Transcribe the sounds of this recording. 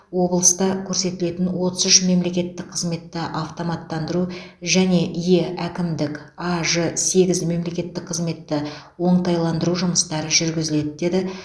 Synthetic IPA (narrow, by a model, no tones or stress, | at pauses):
wo̞blˠəst̪ɑkʲʰɵɾse̞t̪ɪle̞t̪ɪnwo̞t̪əzʏʃme̞mle̞kʲe̞t̪ːɪk̚qʰəzme̞t̪ːɪʔɑft̪o̞mɑt̪ːɑnd̪əɾuʒæne̞ʔije̞ækʲɪmd̪ɪk | ɑʒəse̞ɡʲɪzme̞mle̞kʲe̞t̪ːɪk̚qʰəzme̞t̪ːɪ | wo̞ɴt̪ɑjlˠɑnd̪əɾuʒʊməst̪ɑɾəʒʏɾɡʲɪzɪle̞d̪ɪd̪e̞d̪ɪ